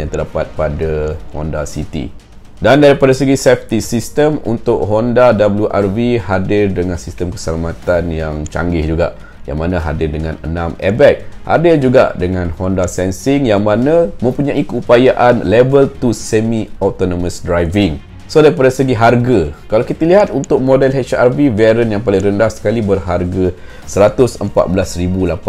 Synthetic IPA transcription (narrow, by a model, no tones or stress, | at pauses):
jaŋt̪ərdapat̪̚padahɔ̰ndasit̪ḭ | dandaɾipadasəɡisɛft̪isist̪əmṵnt̪ʊʔ̚ɦɔndadabəljuʔarvihadɪrdəŋãnsist̪əmkə̥səlamãt̪anjaŋt͡ʃa̰ŋɡɪhd͡ʒuɡa̰ʔ | ja̰ŋmanãɦa̰dɪrdəŋãnə̰nãmɛbɛk̚ha̰dɪrd͡ʒuɡa̰ʔdəŋãnhɔndasɛnsɪŋjaŋmãnãmə̃mpuɲãʔikəupajaʔanlɛbəlt̪usɛmiɔt̪onoməsdɾajvɪŋ | sodajpadasəɡiɦarɡakalawkit̪əliɦat̪̚unt̪ʊk̚mõdɛlɦɛt͡ʃarvivɛɾənjaŋpalɪŋrəndahsə̥kalibərɦarɡa | səɾat̪ʊsəmpa̰t̪̚bəlasɾibulapa